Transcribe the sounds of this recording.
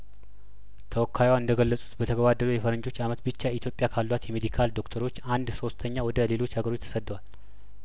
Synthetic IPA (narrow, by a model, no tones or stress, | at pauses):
t̪ʰəwɔkʰːajwaɨnd̪əɡəlːəsʼu̥t̪bət̪ʰəɡəβad̪ːəlujɛfəɾəɲd͡ʒo̞t͡ʃːamət̪bɨt͡ʃːait̪ʰjo̞pʼːjakʰalːwat̪jɛmed̪ikʰald̪o̞kt̪ʰəɾo̞t͡ʃːand̪so̞st̪ʰəɲːawɔd̪əle̞lo̞t͡ʃːhaɡəɾo̞t͡ʃːt̪ʰə̥səd̪ːwal